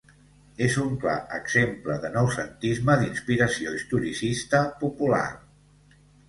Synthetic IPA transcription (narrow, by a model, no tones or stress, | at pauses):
ezuŋkla̰ʔə̰ɡz̥empləðənəwsənt̪izməðinspiɾəsioist̪uɾisist̪əpupula̰r